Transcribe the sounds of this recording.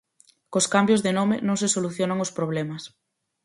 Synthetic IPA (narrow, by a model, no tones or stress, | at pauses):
koskambjozðenomɪ̰nõŋs̬esoluθjonaŋospɾoβ̞lɛmɐs